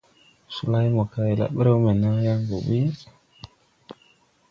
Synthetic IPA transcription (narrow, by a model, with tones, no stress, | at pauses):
su˨la˦jmo˨ka˦ji˨la̰˨ɓə˦ɾe˦me˨na˦ja˦ŋɡo˨bi˦